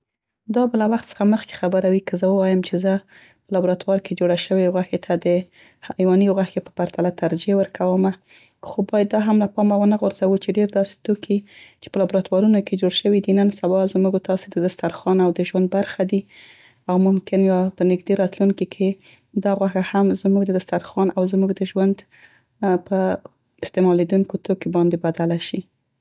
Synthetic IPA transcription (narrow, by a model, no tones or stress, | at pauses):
d̪ɑbəlawaxt̪sə̥xaməxke̥xabəɾawikəzəwəwɑjəmt͡ʃezə | pəlabɾɑt̪wɑɾked͡ʒoɽaʃəweɣwaxet̪ʰad̪ə | hajwɑnijoɣwaxkepə̥paɾt̪alat̪aɾd͡ʒewəɾkʰawəma | xobɑjad̪ːɑɦamlapɑmawənaɣʊɾzawut͡ʃeɖeɾd̪ɑse̥t̪okʰit͡ʃe̥pəlɑbɾɑt̪wɑɾunokʰed͡ʒoɽʃəwid̪inənsawɑzmuɡt̪ɑsed̪əd̪ast̪aɾxɑnawd̪əʒwand̪̚baɾxad̪i | awmʊmkɪnjɑpənɪɡd̪eɾɑt̪luŋkikʰe | d̪ɑɣwaxahamzmuɡd̪əd̪ast̪aɾxɑnʔawzmuɡd̪əʒwand̪ | pə | ɪst̪emɑled̪uŋkot̪okibɑnd̪ebad̪alaʃi